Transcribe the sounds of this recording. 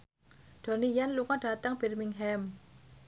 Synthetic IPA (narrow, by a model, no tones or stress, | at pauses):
ɖ̥o̤nijanluŋɔɖ̥a̤t̪aŋb̥ɛrmiŋɦɛm